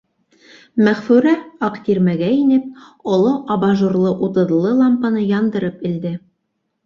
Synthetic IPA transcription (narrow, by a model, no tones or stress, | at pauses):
mæʁfʉɾæɑqt̪iɾmæɡæinɘp̚ | ŏlˠoʔɑbɑʒuɾlˠɤʔut̪ɤ̆ðlˠːɤlˠɑmpɑnɤjɑnd̪ɤ̆ɾɤpɘ̆ld̪ɘ